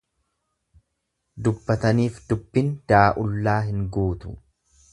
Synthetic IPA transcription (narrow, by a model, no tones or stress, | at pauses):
d̪ʊbːɐt̪ɐniːfd̪ʊbːɪnd̪̥aːʔʊlːaːɦɪŋɡuːt̪ʊ̥̰